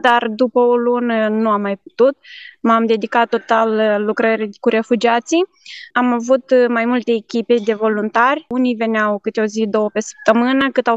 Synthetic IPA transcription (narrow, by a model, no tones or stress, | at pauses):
d̪ard̪upəolunənuamːajp̚u̥t̪ut̪̚mamd̪e̞d̪ikat̪ːo̞t̪alːukɾəɾʲkuɾe̞fud͡ʒiat̪si | amavut̪majmult̪e̞ːkʲiped̪e̞vo̞lunt̪arʲunive̞neawkɨt̪eo̞zid̪o̞wəpe̞sə̥p̚t̪əmɨnəkɨt̪aw